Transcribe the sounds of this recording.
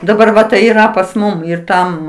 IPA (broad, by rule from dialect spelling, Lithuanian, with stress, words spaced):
dɐˈbɐr ˈʋɐ tɐɪ iːˈrɐ pɐs ˈmʊm ɪr ˈtɐm